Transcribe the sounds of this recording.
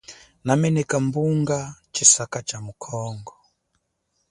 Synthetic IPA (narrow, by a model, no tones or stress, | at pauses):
namɛnɛkambuŋɡat͡ʃisakat͡ʃamukʰɔŋɡɔ